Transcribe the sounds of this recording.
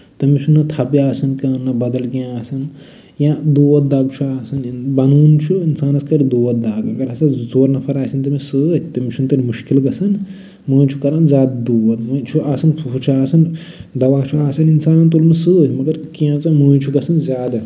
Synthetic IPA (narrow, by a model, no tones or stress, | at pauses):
t̪ɐmit͡ʃʰunɐt̪ʰɐpiaːsɐnkɐnːɐbɐd̪ɐlkiãaːsɐn | jãd̪uːʋɐt̪̚d̪aːbt͡ʃʰuaːsɐnbɐnuːnt͡ʃʰuinsaːnɐskɐɾid̪uːʋɐt̪̚d̪aːbiɡɐɾɐsɐzoːɾnɐpʰɐɾaːsɐnt̪ɐmisɨt̪ɐmit͡ʃʰunt̪ɐɾimuʃkilɡɐsɐn | muːjt͡ʃʰu̥kɐɾɐnzaːd̪d̪uːʋɐt̪mut͡ʃʰuaːsɐnʰuɦut͡ʃʰuaːsɐn | d̪ɐʋaːt͡ʃʰuaːsɐninsaːnɐnt̪̬oːlmisɨmɐɡɐɾkãːt͡sɐmuːjt͡ʃʰuɡɐsɐnzʲaːd̪